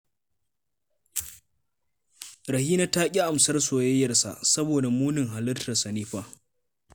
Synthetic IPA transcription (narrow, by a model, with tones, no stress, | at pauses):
ɾɐ˨hiː˦na˦taː˦kʲʼi˦ʔa˨msɐ˦rsoː˨jɐ˦jːɐ˨rsa̰˨ʔsɐ˦boː˨da˨muː˦nɪ˨ŋɦa˨lɐ˦rtɐ˨sɐ˨niː˦ɸaː˦